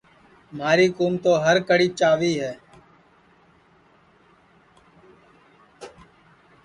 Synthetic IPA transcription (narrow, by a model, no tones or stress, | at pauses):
maːɾiːkuːmt̪oːɦəɾkəɽiːt͡ʃaːʋiːɦɛː